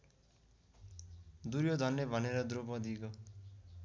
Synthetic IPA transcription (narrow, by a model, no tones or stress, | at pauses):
d̪uɾjod̪ʱʌnːebʱʌneɾʌd̪ɾopʌ̃d̪iko